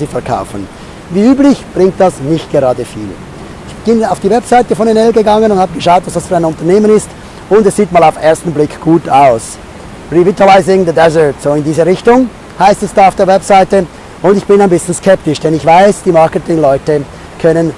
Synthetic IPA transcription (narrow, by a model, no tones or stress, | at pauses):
ziːfɛɐkʰa̰ʊfən | viːyːblɪçb̥ʁɪŋk̚t̚d̥asnɪçt̚ɡ̥eʁɑːdəfḭːl | ɪçb̥ɪnaʊfd̥iːvɛpsaɪtəfɔnɛnɛlɡəɡɑŋənʊndthaːbəɡəʃaʊtv̥asd̥asfyːɐaɪnʊntɐʁneːmənɪst | ʊndɛsz̥iːtmaːlaʊfeːɐstn̩blɪkɡ̥uːtaʊs | ʁivitalaɪzɪŋd̪ədɛzə˞tsoːɪndiːzəʁɪçtʊŋ | haɪstɛsd̥aːaʊfd̥eːɐvɛpsaɪtə | ʊndɪçb̥ɪnaɪnbɪsn̩skʰɛp̚tɪʃd̥ɛnɪçv̥aɪsd̥iːmaʁkətɪŋlɔʏtə | kʰœnən